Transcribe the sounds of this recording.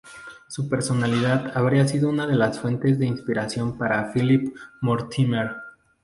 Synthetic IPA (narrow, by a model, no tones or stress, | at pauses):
supe̞ɾso̞naliðaðaβɾiasiðo̞unaðe̞lasfwe̞nt̪e̞zðe̞inspiɾasjo̞mpaɾafilipmoɾt̪imeɾ